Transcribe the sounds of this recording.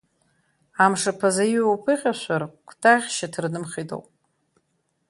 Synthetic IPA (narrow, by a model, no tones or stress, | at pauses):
amʂapʰazajowpʰɨχʲaʃʷarkʷʰtʰaʁʲʃatʰrnɨmχʲido̰wpʼ